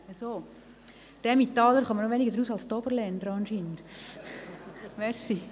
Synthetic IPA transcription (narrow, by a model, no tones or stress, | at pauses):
ɛsoː | d̥ɛmit̪ːɑːləɾχɑmənoʋenɪɡədɾuːsɑlst̪ɔbəɾlɛnd̪ɾɑnʃiːnd̪ | ʋɛɾsi